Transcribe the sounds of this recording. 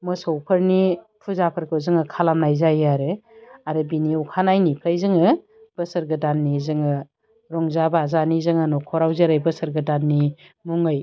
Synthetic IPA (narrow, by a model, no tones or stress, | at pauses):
mɯsɔwpʰɐɾni | pʰuzapʰɐɾkʰɯzɯŋɯkʰalamnajzajaɾeaɾɯbiniukʰanajnipʰajzɯŋɯ | b̥ɯsəɾɡɯdanːizɯŋɯ | ɾɔŋzabaazanizɯŋanɔkʰɔɾawzeɾajbɯsəɾɡɯdanːi | muŋɯj